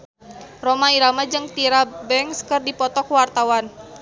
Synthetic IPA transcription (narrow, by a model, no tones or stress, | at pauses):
romaiɾamad͡ʒɨŋt̪iɾabɛŋskərdipɔt̪ɔkwart̪awan